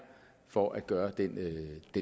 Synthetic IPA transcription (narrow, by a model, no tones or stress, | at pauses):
fɒʔæd̥̚ɡ̥ɶːɐd̥end̥e